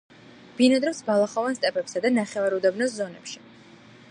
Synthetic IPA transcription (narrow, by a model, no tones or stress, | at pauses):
b̥inad̪ɾɔpsbalˠaχɔvanst̪ʼɛpʼɛpsad̪anaχɛvaɾud̪ɛbnɔszɔnɛ̰pʃi̥